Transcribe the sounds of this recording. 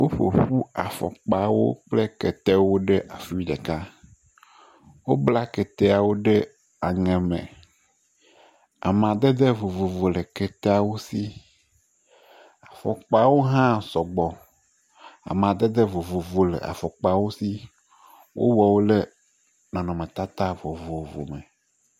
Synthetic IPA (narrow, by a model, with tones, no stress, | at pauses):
wo˦ɸo̰˨ɸu˦a˨fɔ̰˨k͡pa˦wo̰˦k͡ple˦kɛ˨t̪ɛ˦wo˦ɖe˦ʔa˨fi˦i˦ɖɛ̰˨ka˦ | wo˦bla˦kɛ˨t̪ɛ˦a˨wo˦ɖe˦ | a˨ŋɛ̃˨mɛ̰̃˨ | a̰˨m˨ã˨d̪e˦d̪e˦vo˨vo˨vo˨lə˨ke˨t̪e˦a˨wo˦si˦ | a˨fɔ̰˨k͡pa˦wo˦ɦã˦sɔ˨ɡ͡bɔ˨ | a̰˨m˨ã˨d̪e˦d̪e˦vo˨vo˨vo˨lḛ˨ʔa̰˨fɔ˨k͡pa˦˨wo˦si˦ | wʔo̰˦wɔ˨wo˦le˦ | nɔ̃˨nɔ̃˨mẽ˨t̪a˦t̪a˦vo˨vo˨vo̰˨mḛ̃˨